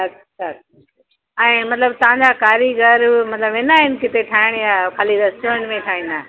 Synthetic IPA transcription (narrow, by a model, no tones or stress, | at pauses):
ɐ | ʃʰa | ɛ̃ːmɐt̪ləbt̪ɐʋãːɲd͡ʑaːkaːɾiɡʱɐɾmɐt̪ləbʋɪ̃naːɦɪnkɪt̪eʈʰaːɪɽ̃jaːkʰaːlid̪ɐst̪oən̆mẽʈʰaːɦĩːn̆d̪aːɦ